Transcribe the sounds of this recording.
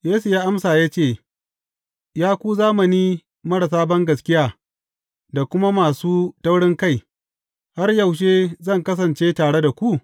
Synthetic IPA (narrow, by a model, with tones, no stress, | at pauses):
jeː˦su˨jaː˦ʔa˦msaː˨jaː˦t͡ʃeː˦˨ | jaː˦kʷuː˦zaː˦mɐ˨niː˦ | mɐ˦ɽa˨s̬aː˦bɐ˦ŋɡɐ˨skʲɪ˦jaː˨ | da˨kʷʊ˦ma˦maː˨suː˦tɐ˦wɽɪ˦ŋka˦˨j | ha˦rjɐ˨wʃ̬eː˦zɐ˦˨ŋkɐ˦s̬ɐ˨nt͡ʃeː˦taː˨ɽe˦da˨kʷu˦ʔ